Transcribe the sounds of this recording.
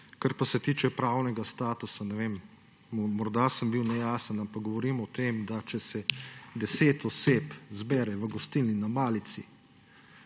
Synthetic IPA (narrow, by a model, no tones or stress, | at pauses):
kaɾpasɛt̪iːt͡ʃɛpɾaːwnɛɡast̪aːt̪usanɛʋem | mɔɾd̪asəmbiwnɛjaːsənampak̚ɡɔʋɔɾiːmɔt̪emd̪at͡ʃɛsɛd̪ɛseːt̪ɔseːpzbɛːɾɛʋəɡɔst̪iːlninamaːlit̪si